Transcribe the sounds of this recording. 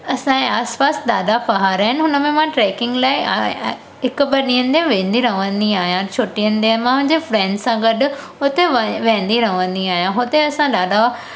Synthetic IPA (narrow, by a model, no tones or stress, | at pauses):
ɐsãeaːspaːsɗ̪aːɗafɐɦaːɾaːɦɪnɪ̆ɦʊnəmẽmãʈɾɛːkɪ̃ŋɡlaːɪa̰ː | ɦɪkʊ̆bɐɗĩːənɪ̆d̪ẽʋẽːnd̪iɾɐɦə̃ʋə̃nd̪iaːɦijãt͡ɕʰoːʈijənɪ̆t̪eə̆mãɦʊ̃ɦɪ̃ɲd͡ʑefɾɛ̃ːɳɖsãɡɐɗʊ̆ | ʊt̪eʋẽːn̆d̪iɾɐɦə̃ʋə̃nd̪iaːɦijãɦʊt̪eɐsãɗ̪aːɗa